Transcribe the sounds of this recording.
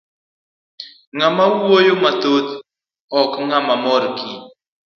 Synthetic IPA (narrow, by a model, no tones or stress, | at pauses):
ŋamawwojomat̪ot̪ | ɔkŋamamɔɾki